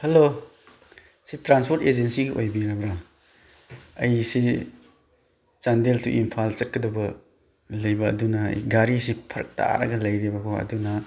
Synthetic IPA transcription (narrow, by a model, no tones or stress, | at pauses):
hɐlo | sitɾanspʰoɾted͡ʒensiɡiʔojbiɾɐbɾa | ɐjsi | t͡ʃandeltʰṵʔimpʰalt͡ʃɐt̚kɐdɐbɐ | lɐjbɐ̰ːdunɐɐ̰jɡaɾis̬ipʰɐɾɐ̰k̚tʰa̰ɾɐ̰ɡɐlɐjɾibɐkʰoɐ̰dunɐ